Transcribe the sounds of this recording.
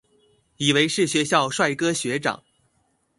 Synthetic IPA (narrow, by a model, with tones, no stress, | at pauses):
i˨˩we˧˥ɪʂɻ̩˥˩ɕɥɛ˧˥ɕjɑ˥˧ʊʂwa˥˩ɪkɤ˥ɕɥɛ˧˥ʈ͡ʂɑ̰˨˩˦ŋ